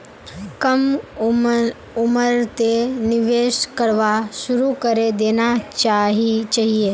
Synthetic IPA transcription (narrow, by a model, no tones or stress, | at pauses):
kɐm | uməɾt̪eniʋeːʃkəɾʋaʃuɾukəɾed̪eːnat͡ʃaːɦit͡ʃaːɦie